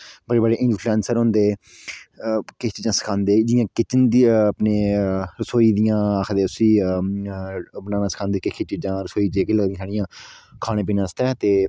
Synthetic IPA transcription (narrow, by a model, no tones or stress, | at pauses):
bəɽeːbəɽeːʔɪ̃nd͡ʒpʰlɛ̃ːnsəɾɦʊ̃nd̪eː | kɪst͡ʃiːd͡ʒãːsə̥kʰãːnd̪eːd͡ʒɪjãːkɪt͡ʃənd̪ipneːɾəsoːiːd̪ɪjãːakʰd̪eːʊsiː | bənaːnãːsə̥kʰãːnd̪eːkɪkʰit͡ʃid͡ʒãːɾəsoːiːd͡ʒeːkləɡd̪ij̃ãsaːɽɪjãː | kʰaːɽ̃ẽːpiːnãːst̪ɛːt̪eː